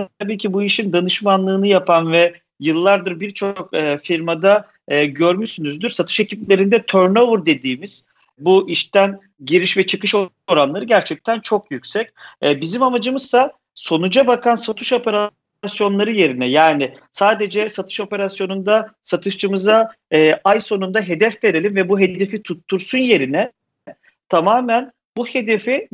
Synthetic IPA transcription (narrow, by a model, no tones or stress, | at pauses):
t̪ʰabiːcʰibuiʃind̪anɯʃmanlˠɯːnɯjapʰanvɛ | jɯlˠːaɾd̪ɯɾbiɾt͡ʃʰokːfiɾmad̪aː | ɟøɾmyʃsynyzd̪yɾsat̪ʰɯ̥ʃeciplʲe̞ɾind̪ɛt̪ʰøɾnovuɾd̪e̞d̪iːmiz̥ | buʔiʃt̪æn | ɟiɾiʃvɛt͡ʃʰɯkɯʃo | oɾanlˠaɾɯɟæɾt͡ʃʰɛc̚t̪ʰænt͡ʃʰo̞kjycsɛc̚ɛbizimamad͡ʒɯmɯz̥sa | so̞nud͡ʒabakʰansat̪ʰuʃo̞pʰe̞ɾa | sjo̞nlˠaɾɯje̞ɾinɛjaːnɪ | saːd̪e̞d͡ʒɛsat̪ʰɯ̥ʃo̞pe̞ɾasjo̞nund̪asat̪ʰɯʃt͡ʃɯmɯza | ɛːʔajso̞nund̪aɦe̞d̪ɛfve̞ɾe̞lʲinvɛbuɦe̞d̪e̞fit̪ʰut̪ʰːuɾsunje̞ɾinɛ | t̪ʰamaːmæn | buhed̪e̞fi